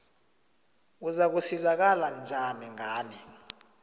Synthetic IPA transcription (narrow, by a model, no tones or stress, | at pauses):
uzak̬usizak̬aland͡zʱanɛŋʱaːnɛ